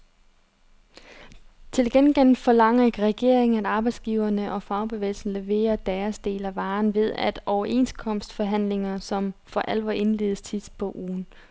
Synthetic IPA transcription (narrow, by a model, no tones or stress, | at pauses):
t͡sʰe̝lɡ̥enɡ̥en̰̩fɒ̽lɑ̈ŋ̰ɐe̝ɡ̥ʁɛɡ̥e̝ɐ̰eŋn̩æd̥ɑ̈ːb̥ɑ̈ɪd̥sɡ̥iːʊɐnəʔɒ̽fɑ̈ʊb̥e̝ʋḛːl̩sn̩le̝ʋe̝̰ːɐd̥æɐsd̥e̝̰ːlæʋɑ̈ːnʋe̝ðˠæd̥ɒʊɐʔe̝̰nskʰɒ̽m̰sd̥fɒɦæn̰le̝ŋɐsɒ̽mfɒ̽ʔælʋɒʔe̝nle̝ːðˠəst͡sʰið̥ˠb̥ʰɔʔuːn